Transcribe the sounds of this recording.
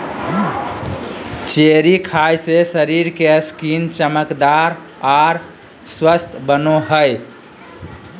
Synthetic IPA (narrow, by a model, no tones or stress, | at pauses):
t͡ʃeɾikʰajsesəɾiɾkeskint͡ʃəməkd̪aɾ | aɾ | swəst̪ʰbənoɦəj